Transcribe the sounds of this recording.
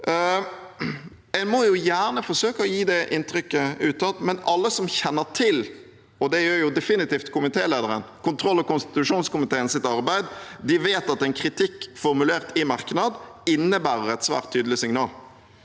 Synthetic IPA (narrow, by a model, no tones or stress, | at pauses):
ɛnmɔjʊjæːʁnəfɔsøːkəɔjiːd̪ɛʔɪnt̪ɾʏkːəʉːt̪ʰɑt̪mɛnɑlːəsɔmçɛnːətʰɪl | ɔd̪ɛjøːɾjʊd̪ɛfɪnɪt̪iːft̪kʰʊmɪt̪ʰeːleːd̪əɾənkʊnt̪ʰɾɔlːɔkʊnst̪ɪ̥t̪ʉʂuːnskʊmɪt̪ʰeːənsɪt̪ɑɾbæɪd̪d̪ɪʋeːt̪ɑt̪ɛɪnkʰɾɪt̪ʰɪkːfɔɾmʉleːʁt̪ʰɪmɑʁknɑd̪ɪnːəbæːɾəɾɛt̪sʋæ̰ːʁt̪ʰːyːd̪əlɪsɪŋnɑːl